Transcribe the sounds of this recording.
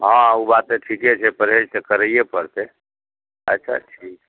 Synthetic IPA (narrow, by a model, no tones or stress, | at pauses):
ɦãubat̪eʈʰiket͡ʃʰɛpəɾɦed͡ʒsekəɾəijepəɾt̪e | ə̰tːʃʰa̰ʈʰik